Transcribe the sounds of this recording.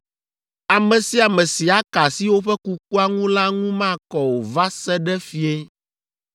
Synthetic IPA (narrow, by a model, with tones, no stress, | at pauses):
a˨mɛ̃˨si˦a˨mɛ̃˨si˨a˦ka˨si˦wo˦ɸɛ˦ku˦ku˦a˦ŋũ˦la˦ŋũ˦mã˦˨kɔ˨wo˨va˦sɛ˦ɖɛ˦fi˦ɛ˦